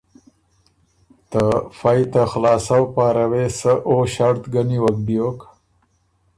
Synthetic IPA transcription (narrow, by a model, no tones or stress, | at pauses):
t̪əfajt̪axlɑːsawpɑːɾawesəʔoɕaɽt̪ɡaniwakɖijok